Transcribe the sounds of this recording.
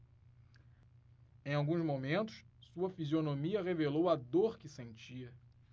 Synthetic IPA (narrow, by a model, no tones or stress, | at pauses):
ẽj̃awɡũzmomẽnt̪ʊ̥ssuɐfizionomiɐʁevelowɐd̪oɾkɪsẽnt͡ʃiɐ